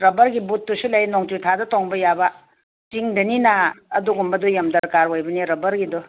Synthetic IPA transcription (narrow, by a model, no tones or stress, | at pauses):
ɾɐbɐɾɡibut̚ːusilajnɔŋtitʰadɐtɔŋbɐjaba | tiŋdɐninaːduɡumbɐdɔjamdɐɾkaɾojbɐniɾɐbɐɾɡidɔ